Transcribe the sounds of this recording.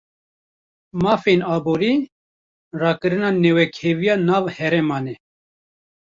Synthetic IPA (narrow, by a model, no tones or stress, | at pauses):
mɑːfenɑːboːɾiː | rɑːkɨɾɨnɑːnɛwɛkʰeːvijɑːnɑːvhɛɾɛmɑːnɛ